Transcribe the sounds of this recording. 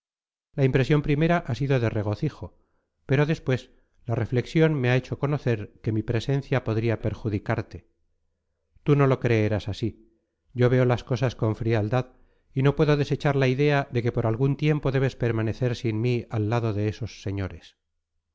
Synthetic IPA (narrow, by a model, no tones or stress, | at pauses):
laimpɾe̞sjo̞mpɾime̞ɾaʔasiðo̞ðe̞re̞ɣ̞o̞θiχo̞ | pe̞ɾo̞ðe̞spwe̞s | lare̞fle̞ksjo̞nmeae̞t͡ʃo̞ko̞no̞θe̞ɾke̞mipɾe̞se̞n̟θjapo̞ðɾiape̞ɾxuðikaɾt̪e | t̪uno̞lo̞kɾe̞eɾasasi | ɟ͡ʝo̞βe̞o̞lasko̞sasko̞ɱfɾiald̪að | ino̞pwe̞ðoðe̞se̞t͡ʃaɾlaiðe̞aðe̞ke̞po̞ɾalɣunt̪je̞mpo̞ðe̞βe̞spe̞ɾmane̞θe̞ɾsinmialːaðo̞ðe̞eso̞sːe̞ɲo̞ɾe̞s